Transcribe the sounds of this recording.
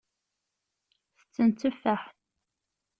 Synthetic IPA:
θə̥t͡sːənt͡s̪ːəfːæħθ

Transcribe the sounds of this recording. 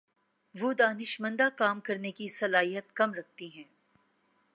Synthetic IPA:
ʋoːd̪aːnɪʃmə̃nd̪akaːmkɐɾnekisɐlaːɦijət̪̚kɐmɾɐk̚t̪iɦɛ̃ː

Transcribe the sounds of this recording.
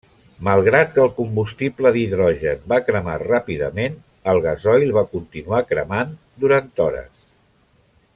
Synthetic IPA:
məlˠɣɾat̪̚kəːlˠkumbust̪ipləðiðɾɔʒənbakɾəma̰rapiðə̰men | əlˠɣəzɔjlˠβakunt̪inuakɾəman | d̪uɾant̪ɔɾə̰s

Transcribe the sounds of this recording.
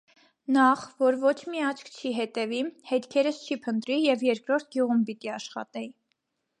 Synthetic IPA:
nɑχvɔɾvɔt͡ʃʰmiɑt͡ʃʰkʰt͡ʃʰiɦɛt̪ɛvihɛt̪kʰɛɾəst͡ʃʰipʰənt̪ɾijɛvjɛɾkɾɔɾt̪̚ʰɡjuʁumpit̪iɑʃχɑ̰t̪ɛ

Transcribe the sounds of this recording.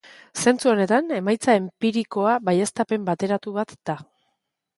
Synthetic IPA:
se̞nt͡suo̞ne̞t̪ane̞majt͡sae̞mpiɾiko̞aβaje̞st̪ape̞mbat̪e̞ɾat̪uβ̞at̪d̪̥a

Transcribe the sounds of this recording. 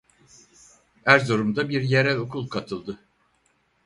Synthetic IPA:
hæɾzoɾumd̪abiɾjeɾælʲo̞kʰulˠkʰat̪ʰɯlˠd̪ɯ

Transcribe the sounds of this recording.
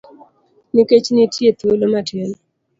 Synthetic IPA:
nɪket͡ʃnɪtjet̪iolomatjel

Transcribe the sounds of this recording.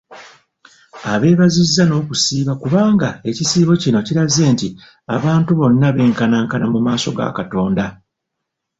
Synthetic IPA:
aβe̞ːβazizːano̞ːkusiːβakuβaːŋɡae̞cisiːβo̞cino̞ciɾaze̞ːnti | aβaːntuβo̞nːaβe̞ːŋkanaːŋkanamumaːso̞ɡa̰kato̞ːnda

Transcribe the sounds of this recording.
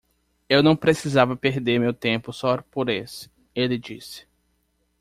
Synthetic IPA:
ewnɐ̃w̃pɾesizavɐpeɾd̪eɾmewt̪ẽpʊsɔɾpoɾesɪ̥ | elɪd͡ʒḭsɪ̥

